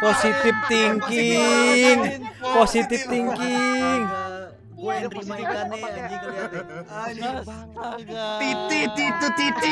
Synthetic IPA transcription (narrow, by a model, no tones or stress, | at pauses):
posit̪ɪpt̪iŋki | ŋposit̪ɪp̚t̪iŋkiŋ | t̪it̪it̪it̪t̪it̪i